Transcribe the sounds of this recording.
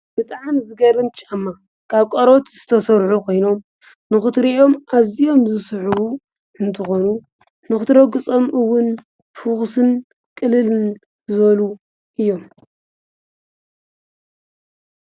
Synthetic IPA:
b̥ɨt̪ʼaʕmzɨɡɐɾɨmt͡ʃʼamːa | kʰaβkʼɐɾo̞t̪zɨt̪ʰɐsɐɾħukʰo̞jno̞m | nɨxɨt̪ɾiʔo̞mʔazijo̞mzɨsħuwu | ɨnt̪ʰɨxo̞nu | nɨxɨt̪ʰɨɾɐɡɨt͡sʼo̞mʔɨwːʊn | fɨxsɨn | kʼɨlɨlɨn | zɨβɐlu | ʔɨjːo̞m

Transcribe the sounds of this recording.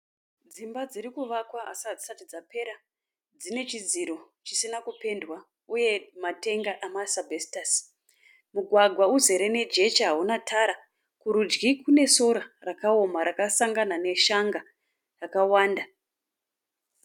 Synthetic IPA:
d͡zimbad͡ziɾikuʋakwaa̰sad͡zisatid͡zape̞ɾa | d͡zine̞t͡ʃid͡ziɾo̞ | t͡ʃisinakupe̞ndwa | uje̞mate̞ŋɡaʔamasabʱesi̥tas | muɡʱwaɡʱwauze̞ɾe̞ne̞d͡ʒe̞t͡ʃaɦaunatʰaɾa | kuɾud͡ʒɡikune̞so̞ɾarakaomaɾakasaŋɡanane̞ʃaŋɡa | rakawaːnda

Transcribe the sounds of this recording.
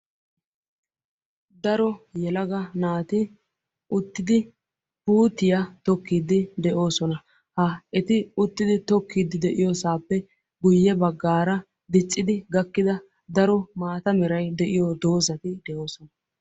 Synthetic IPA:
d̪ɐɾɔjɛlɐɡɐnaːt̪ɪ | ʊt̪ːɪd̪ɪ | puːt̪ːɪjat̪ɔkːiːd̪ɪd̪ɛʔo̞ːsɔnɐ | hɐɛt̪ɪʊt̪ːɪd̪ɪt̪ɔkːid̪ɪd̪ɛʔɪjosaːpːɛ | ɡʊjːɛbɐɡːaːɾɐ | d̪ɪt͡sʼːɪd̪ɪɡɐkːɪd̪ɐ | d̪ɐɾɔmaːt̪ɐmɪɾɐjd̪ɛʔɪjoːd̪o̞ːzɐt̪ɪd̪ɛʔo̞ːsɔnɐ

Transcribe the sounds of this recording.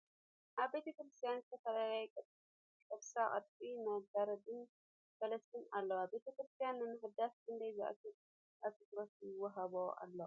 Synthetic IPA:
ʔaβbe̞t̪ʰɐkɾɨst̪ʰijanzɨt̪ʰɐfɐlalajkʼɨt̪ | kʼɐβsakʼɐt̪̚bʼinad̪aɾɐd̪ɨn | sɐlɐst̪ʰinalːoabe̞t̪ʰɐkɾɨst̪ʰijanːɨmɨɦɨd̪askʰɨnd̪ɐjza̰ʔa̰t̪ʰi | ʔat̪ʰit̪ɾosjɪwːɐɦaβoa̰lːo

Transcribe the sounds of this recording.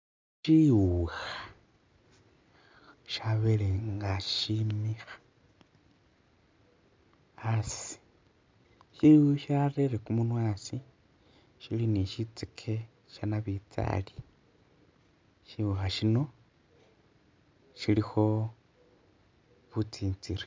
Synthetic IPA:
ʃiwuxa | ʃaβeleŋɡaʃimixḁ | asi̥ | ʃiuʃareɾekumunwaːsi | ʃiliniʃit͡sikʰe | ʃanaβit͡sa̰li | ʃiwuxaʃino̞ | ʃilixo̞ | βut͡siːnt͡siri

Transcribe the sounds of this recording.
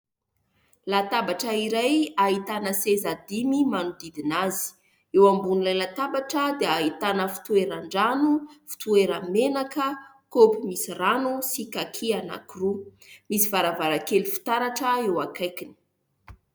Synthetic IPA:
lat̪abaʈ͡ʂəiɾajait̪anəsezad̪imimanud̪id̪inazi̥ | ewambunilajlat̪abaʈ͡ʂəd̪eaɦit̪anəfi̥t̪ueɾaɳɖ͡ʐanufi̥t̪ueɾəmenakə | kopimisiranusikakʰiana̰krumisivaɾavaɾakelifi̥t̪aɾaʈ͡ʂəewakajkini̥

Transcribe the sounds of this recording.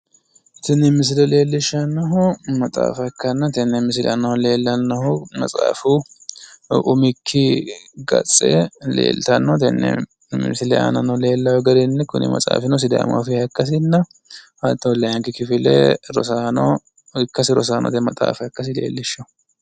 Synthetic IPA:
t̪ɪnːɪmɪs̬ɪlɛle̞ːlːɪʃːɐnːɐɦʊmɐtʼaːfɐkːɐnːɐt̪ɛnːɛmɪs̬ɪlɐnːɐhʊle̞ːlːɐnːɐhʊmɐ̰t͡sʼaːfu | ʊmɪkʰːɪɡɐ̰t͡sʼːɛlḛːlt̪ɐnːɔt̪ɛnːɛ̰ | mɪsɪlɛɐ̰nɐnɐle̞ːlːɐwɛɡɐd̪ɪnːɛkʊnɪ̰mɐ̰t͡sʼa̰ːfɪnɔs̬ɪd̪a̰ːma̰fɪɐkːɐs̬ɪnːɐ | ɐt̪ːɔlɐjɐŋkɪkɪfɪlɛɾɔsaːnɔ | ɪkːɐsɪɾɔsaːnɔ̰t̪ɛmɐt̪ʼa̰ːfɐkːɐs̬ɪle̞̰ːlːɪʃːɐ

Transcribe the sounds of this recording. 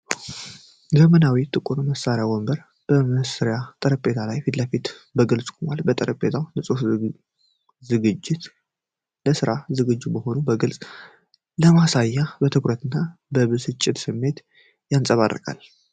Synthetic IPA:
d͡ʒəmənawit̪ʼɨkʼunməsaɾjawɔmbəɾ | b̥əməsɨɾjat̪ʼəɾəpʼe̞t̪ʰalajfit̪ləfit̪bəɡɨlsʼkʼomalbət̪ʼəɾəpʼːet̪ʰawnlɨsʼos | zɨɡɨd͡ʒːɪt̪ | ləsɨɾazɨɡɨd͡ʒːubəho̞nubəɡɨlsʼ | ləmasajːabət̪ʰɨkʼɾət̪ʰɨnːabəβɨsɨt͡ʃʼːɪt̪sɨmːe̞t̪ | jansʼəβa̰rːə̰kʼa̰l

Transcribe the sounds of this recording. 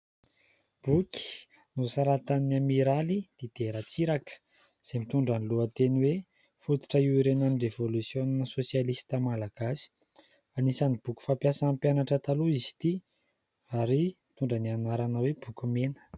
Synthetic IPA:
b̥uki̥ | nusaɾat̪anamiɾalid̪̥ed̪̥eɾat͡siɾakə̥ | z̥emit̪uɳɖ͡ʐaniluət̪eniwe | fut̪i̥ʈ͡ʂəiwiɾenanirevolusjoninəsosjalisi̥t̪amalaɡ̥asi̥ | anisanib̥uku̥fampjasanampjanaʈ͡ʂət̪aluizi̥t̪i | aɾimit̪uɳɖ͡ʐənianaɾanəweb̥ukumenə̥

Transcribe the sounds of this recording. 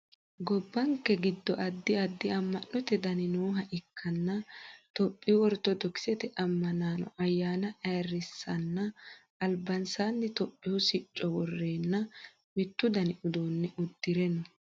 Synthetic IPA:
ɡɔbːɐŋkːɛɡɪd̪ːɔʔɐd̪ːɪɐd̪ːɪɐmːɐnːɔt̪ɛd̪ɐnɪnoːɦɐʔɪkʰːɐnːɐt̪ɔpʼːɪjʊwɔɾt̪ːɔd̪ɔkɪ̥sɛt̪ɛʔɐmːɐnaːnɔ̰ʔɐjːaːnɐʔɐjrːɪsːɐnːɐː | lbɐnsaːnːɪt̪ɔpʼːɪwʊsɪt͡ʃʼːɔwɔrːeːnːɐ | mɪt̪ːʊd̪ɐnɪʔʊd̪oːnːɛʔʊd̪ːɪɾɛnːɐ

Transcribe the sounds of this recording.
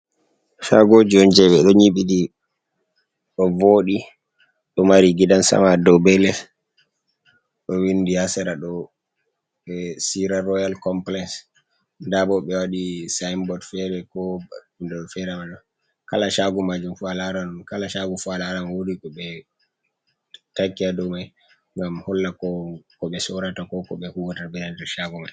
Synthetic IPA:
ʃaɡod͡ʒiɔnd͡ʒɛɓɛɗɔɲiɓidi | ɗɔvoɗi | ɗɔmaɾiɡiɗansa̰madɔbɛlɛ | ɗɔwindihasɛɾaɗɔ | ɛsiɾaɾɔjalkɔmplɛks | ndaɓɔɓɛwaɗisajmbɔdfɛɾɛkɔ | ndɔfɛɾɛmaɗɔ | kalaʃaɡumad͡ʒumfualaɾankalaʃaɡufualaɾanwodikɔɓɛ | takːiadɔmaj | ŋɡamhɔlːakɔkɔɓɛsɔɾatakɔkɔ̰ɓɛhuwatabɛdandɛɾʃaɡumaj

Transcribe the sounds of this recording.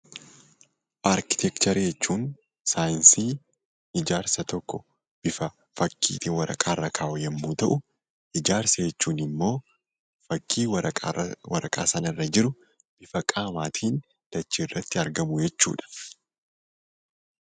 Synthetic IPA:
ʔaɾkɪ̥t̪ʰɛkt̪ɐɾjɛt͡ʃːuːn | saːjɪnsiː | ɪd͡ʒaːɾsɐt̪ɔkːɔ | b̥ɪfɐ | fɐkʰːḭːt̪ʼiwɐɾɐ̰kʼaːrːɐkʰaːʔɔjɐmːuːt̪ɐʔʊ | ʔɪd͡ʒaːɾsɐjɛt͡ʃːuːnɪmːo̞ː | fɐkʰːiːwɐɐwɐɾɐkʼa̰ːsɐnɐrːɐd͡ʒɪɾʊ | b̥ɪfɐkʼaːmaːt̪ʰiːn | d̪̥ɐt͡ʃːiːrːɐt̪ːɪɐɾɡɐmʊjɛt͡ʃːṵːᶑɐ̥

